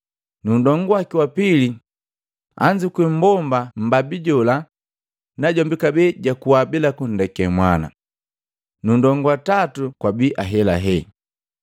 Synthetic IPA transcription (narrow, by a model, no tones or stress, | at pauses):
nundɔŋɡwakiwapili | a̰ɲd͡ʒikwim̩bɔmbam̩babiɟɔla | naɟɔmbikabɛɟakuwabilakun̩dɛkɛmwana̰ | nundɔŋɡwatatukwabiʔaɦɛla̰ɦɛ